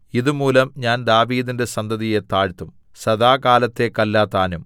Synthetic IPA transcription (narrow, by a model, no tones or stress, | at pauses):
iðumuːlɐmɲaːnd̪aːʋiːd̪inde̞sɐnd̪ɐðije̞t̪aːɻt̪ːum | sɐðaːkaːlɐt̪ːe̞kɐlːaːt̪ːaːnum